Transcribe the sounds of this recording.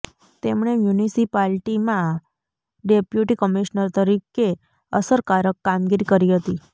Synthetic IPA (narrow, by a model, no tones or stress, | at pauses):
t̪emɳ̃emjunisipalʈimã | ɖepjuʈikəmiʃnəɾt̪əɾike | əsəɾkaɾəkːamɡiɾikəɾiɦət̪i